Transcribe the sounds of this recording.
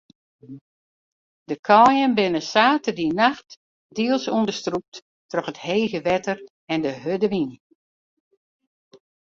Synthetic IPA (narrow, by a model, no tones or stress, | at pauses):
dəkʰɔːjənbɪnəsaːtədinaxt | diəlˠsundəstrup̚t | trɔxətheːɣəʋɛtər | ɛndəɦødəʋin